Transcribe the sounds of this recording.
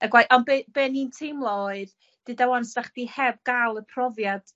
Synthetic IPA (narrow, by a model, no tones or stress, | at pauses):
əɡwaʔɔnbeb̥eːnintʰejmlˠɔɨð | d̥ɨdawansdaχd̥ihɛb̚ɡalˠəpʰrɔvjad̥